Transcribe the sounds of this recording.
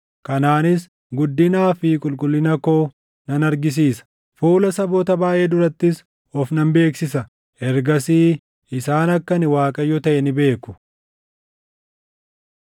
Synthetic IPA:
kɐnaːnɪs | ɡʊd̪ːɪnaːfikʼʊlkʼʊlːɪnɐkoː | nɐnɐɾɡɪs̬iːsɐ̥ | fuːlɐsɐboːt̪ɐbaːʔeːd̪ʊɾɐt̪ːɪs | ɔfnɐmbe̞ːksɪsɐ | ɛɾɡɐsiː | ɪsaːnɐkːɐnɪwaːkʼɐjɔt̪ɐʔɛnɪbe̞ːkʊ̥

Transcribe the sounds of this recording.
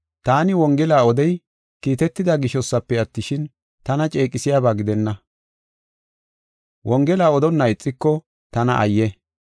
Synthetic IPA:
t̪aːnɪwɔŋɡɛlaːɔd̪ɛj | kiːt̪ɛt̪ːɪd̪aɡɪʃɔsːɐpːɛɐt̪ːɪʃɪn | t̪ɐnɐt͡ʃʼe̞ːkʼɪsɪjaːbaːɡɪd̪ɛnːɐ | wɔŋɡɛlaːɔd̪ɔnːɐɪt͡sʼːɪkːɔ | t̪ɐnɐ̰ʔɐ̰jːɛ

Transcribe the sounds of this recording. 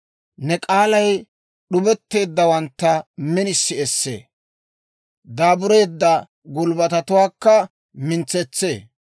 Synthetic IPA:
nɛkʼaːlɐj | ɗʊbɛt̪ːe̞ːd̪ːɐwɐnt̪ːɐmɛnɪsːɪɛsːḛː | d̪aːbʊɾe̞ːd̪ːɐ | ɡʊlbɐt̪ɐt̪ʊwaːkːɐ | mɪnt͡sɛt͡sːe̞̰ː

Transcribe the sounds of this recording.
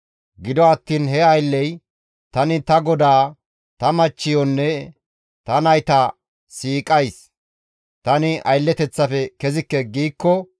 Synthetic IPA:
ɡɪd̪ɔɐt̪ːiːnɦɛɐjlːɛj | t̪ɐnɪt̪ɐɡɔd̪aː | t̪ɐmɐt͡ʃːɪjɔnːɛ | t̪ɐnɐjt̪ɐ | siːkʼɐjs | t̪ɐnɪʔɐ̰jlːɛt̪ɛt͡sːɐfɛkɛzɪkːɛɡiːkːɔ

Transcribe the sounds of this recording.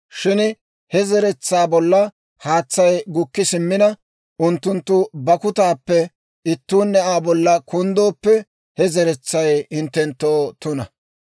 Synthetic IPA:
ʃɪn | hɛzɛɾɛt͡sːaːbɔlːɐ | haːt͡sːɐjɡʊkːɪsɪmːɪnɐ | ʔʊnt̪ːʊnt̪ːʊbɐkʊt̪aːpːɛ | ɪt̪ːuːnːɛʔaːbɔlːɐkʊnd̪o̞ːpːɛ | hɛzɛɾɛt͡sːɐjhɪnt̪ːɛnt̪ːoːt̪ʊnɐ̰

